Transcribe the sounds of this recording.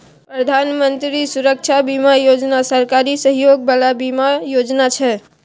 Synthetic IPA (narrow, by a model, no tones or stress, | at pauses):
pɾəd̪ʱanmənt̪ɾisuɾək̚t͡ʃʰabimajod͡ʒnasəɾkaɾisəɦjoɡbalabimajod͡ʒnat͡ʃʰɛ